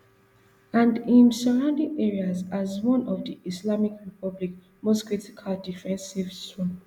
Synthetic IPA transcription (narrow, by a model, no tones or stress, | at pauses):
ãndĩnsaɹãʊ̃ndĩŋɛɹiazazwɔ̃nʔɔvdiʔislamikɹipʰɔblik̚ | mostkɹiti̥kʰaldifɛ̃nsivtɹɔ̃